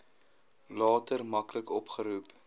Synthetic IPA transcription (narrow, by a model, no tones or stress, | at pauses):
lɑːtərmɐkləkɔpχəɾup